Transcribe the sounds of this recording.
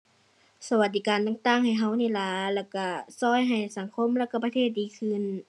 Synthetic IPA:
sa˧wa˧t̪̚d̪iː˨˧kaː˨nt̪a˧˨ŋt̪aː˧˩˨ŋha˨˩jɦa˧˥˩wniː˧˩˨la˧˩lɛː˧˩wka˧˩sɔː˧˥˨jɦa˨˩jsa˨˦ŋkʰo˧˥˨mlɛː˧˩wka˧˩pt̪ʰeː˧˥˩t̪̚diː˨˦kʰɯ˧˥˨n

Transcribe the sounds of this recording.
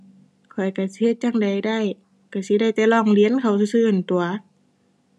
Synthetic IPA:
kʰɔ˨˩jka˧˩si˧˦he˧t̪̚t͡ɕa˧˩ŋda˨˩jda˧˥˩j | ka˧˩si˧˦da˧˩jt̪ɛː˧˦lɔː˧˩˨ŋli˧˥ə˨nkʰa˨˩wsɯ˧sɯː˧ʔɯ˧˩˨nt̪u˨ɐ

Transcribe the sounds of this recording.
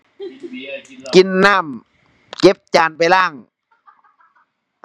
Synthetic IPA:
ki˨˧nːaː˥˩m | ke˧˦˥p̚t͡ɕaː˨˩npa˨jlaː˥˩ŋ

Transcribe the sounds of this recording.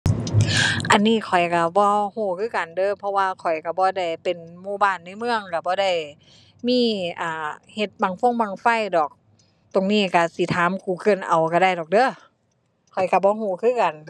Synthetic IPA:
ʔa˨nːiː˧˥˨kʰɔ˨˩jka˧˩bɔː˧˦huː˧˩kʰɯː˧˥˨ka˨˩ndɤː˧˨pʰɔ˧waː˧kʰɔ˨˩jka˧˩bɔː˧˦da˧˩jpe˨nmuː˧˩˨baː˧˩˨nːa˧˨mɯ˧əŋka˧˩bɔː˧˦da˧˩˨j | miː˧˥˨ʔaː˨˩he˧˦t̪̚baː˧˩˦ŋfo˧˥˨ŋbaː˧˩ŋfa˧˥˨jdɔː˨˩k̚ | t̪o˨ŋniː˧˥˩ka˧˩si˧˦t̪ʰaː˨˦mkuː˧˩˦kɤ˧˩˨nʔa˨˩wka˧˩da˧˩jdɔː˨k̚dɤː˧˥˨ | kʰɔ˨˩jka˧˩bɔː˧˦ɦuː˧˩˦kʰɯː˧˥˨ka˨n

